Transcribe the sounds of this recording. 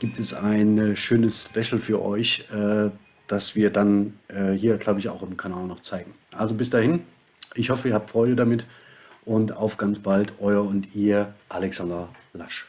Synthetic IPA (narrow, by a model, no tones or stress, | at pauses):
ɡ̥iːp̚tɛsaɪnɛʃøːnəsspɛʃl̩fyːɐʔɔ̰ʏçʔɛː | d̥asv̥iːɐdanʔɛːhiːɐɡlaʊbəɪça̰ʊxɪmkʰanaːlnɔχt͡saɪɡŋ̩ʔalzobɪsd̥aːhɪn | ʔɪçhɔfəiɐhaːp̚tfʁ̥ɔʏdədamɪt | ʔʊnta̰ʊfɡ̥ant͡sb̥altʰʔɔʏɐʊntiːɐʔalɛksandɐlaʃ